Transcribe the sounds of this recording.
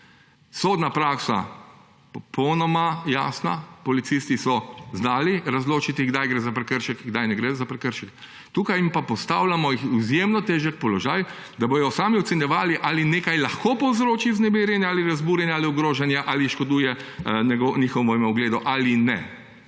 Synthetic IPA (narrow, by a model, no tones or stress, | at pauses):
soːd̪napɾaːksa̰ | pɔpʰɔwnɔmajaːsna̰pɔlit̪sist̪isɔznaːliɾazloːt͡ʃit̪iɡd̪ajɡɾezapɾɛkəɾʃɛkɡd̪ajnɛɡɾezapɾɛkəɾʃɛk | t̪uːkajimpapɔst̪aːwlamɔjixizjemnɔt̪eːʒɛk̚pɔlɔʒaːj | d̪abojɔsaːmiɔt̪sɛnjɛʋaːliʔalineːkajlaxkopɔwzɾoːt͡ʃiznɛbiɾjɛnjaaːliɾazbuːɾjɛnjaaːliɔɡɾoːʒɛnjaʔaliʃkɔd̪uːjɛ | nɛɡɔnʲixɔwʋɔmɛɔɡleːd̪ɔʔalinɛ̰